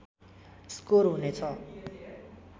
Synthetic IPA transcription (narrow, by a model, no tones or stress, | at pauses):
skoɾɦunet͡sʰʌ